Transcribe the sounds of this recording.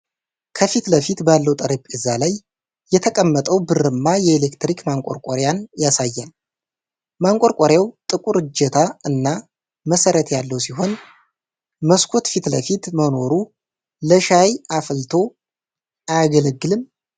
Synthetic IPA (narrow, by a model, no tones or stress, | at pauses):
kʰəfit̪ləfit̪balːəwt̪ʼəɾəpʼɨzːalajː | ɛt̪ʰəkʼəmːət̪ʼəwbɨrɨmːajɛelekt̪ɾikmaŋkʼoɾkʷʼoɾjanjasajːal | maŋkʼo̞ɾkʷʼoɾjawt̪ʼɨkʼuɾɨd͡ʒɛt̪ʰaɨnːa | məsəɾət̪jalːəwsiɦo̞n | məskʰo̞t̪fit̪ləfit̪məno̞ɾu | ləʃajʔaflt̪ʰo̞ | ʔajɡələɡːɨlɨm